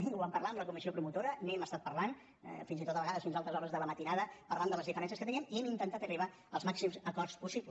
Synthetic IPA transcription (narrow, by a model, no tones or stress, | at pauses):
uβampəɾlaəmləkumisiopɾumut̪oɾəneɛməst̪at̪̚pəɾlan̰ | finzit̪ot̪əβəɣaðəsfinzalˠt̪ɾəzɔɾəzðələmət̪inaðəpəɾrlaəmd̪ələzðifəɾɛns̬əskət̪əniəmiɛmint̪ənt̪at̪əriβa | əlˠzmaksimzəkɔɾspusipl